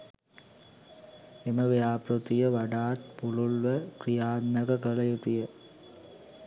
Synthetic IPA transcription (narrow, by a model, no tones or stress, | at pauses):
eməʋejaːpɾut̪ijəʋaɖaːt̪pululʋəkrijaːd̪nəkəkələjut̪ijə